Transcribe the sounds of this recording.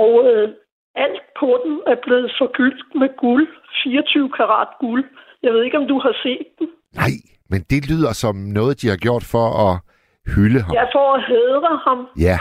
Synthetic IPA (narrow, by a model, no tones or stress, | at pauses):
ɒʊə | æl̰d̥̚pʰɒ̽d̥emæɐb̥le̝ːð̞̩ˠfɒ̽ɡ̥yl̰d̥meɡ̥ulfiːɐt͡sʰyːʊkʰɑ̈ʁɑ̰̈d̥ɡ̥uljɑ̈ɪʋe̝ð̞ˠe̝ɡ̥ɒ̽md̥uhɑ̈se̝̰ːd̥ːem | nɑ̈ɪ̰ | mend̥e̝lyð̰ˠɐsɒ̽mnɔ̽ːð̞̩ˠd̥ihɑ̈ɡ̥jo̝ɐ̰d̥fɒ̽ɒ | hyləɦɑɑɪfɒæheðˠʁəhɑ̈mjæ